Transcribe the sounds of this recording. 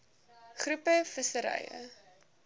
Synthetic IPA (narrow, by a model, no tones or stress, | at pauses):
χrupəfəsəɾɐ̰jə̰